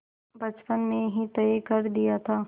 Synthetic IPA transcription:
bɐt͡ʃpənmẽɦit̪ɐkɐɾd̪ijat̪ʰaː

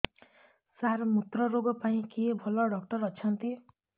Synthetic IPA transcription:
saɾmut̪ɾɔɾoɡɔpaĩkebʱɔlɔɖʌk̚ʈʌɾʌt͡ʃʰʌnt̪i

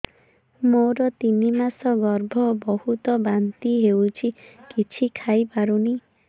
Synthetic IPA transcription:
moɾɔt̪inimasɔɡɔɾbʱɔbɔhut̪ɔbant̪iɦewt͡ʃʰikit͡ʃʰikʰajpaɾuni

